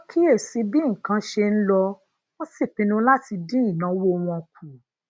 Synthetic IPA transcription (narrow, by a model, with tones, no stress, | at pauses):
kʰi˦e˦˨si˧˦bi˦ŋ̩˨kã˧˦ʃe˧n̩˦lɔ˧ | ɔ̃˦si˦˨pĩ˧nũ˧la˦ti˧dĩ˦ĩ˦˨nã˨˦wo˦˧w̃ɔ̃˧ku˨